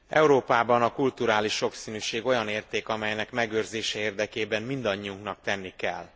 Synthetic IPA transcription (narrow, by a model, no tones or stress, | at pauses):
ɛ̰uɾoːpaːbɒnɒkult̪uɾaːliʃːo̞ksiːnyːʃeːɡo̞jɒneːrt̪eːkɒmɛjnɛkmɛɡørzeːʃɛeːrd̪ɛkeːbɛmmind̪ɒɲːiuŋknɒk̚t̪ɛnːikɛ̰l